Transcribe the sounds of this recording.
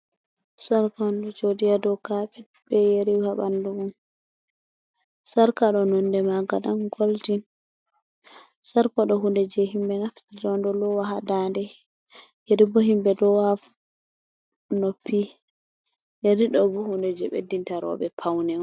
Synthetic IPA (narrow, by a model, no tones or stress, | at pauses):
saɾkɔnd͡ʒodijadɔkaɓɛ | bɛjeɾihaɓa̰nduɡum | saɾkaɗɔnɔndɛmaɡaɗamɡoltin | saɾkɔɗɔɦundɛd͡ʒɛɦimbɛnaftidɔndɔlɔwaɦadandɛ | jeɾibɔhimbɛdɔwaf | nopʰːi | jeɾiɗɔbɔhundɛd͡ʒɛɓḛdːintaɾɔ̰ɓɛpʰawnɛ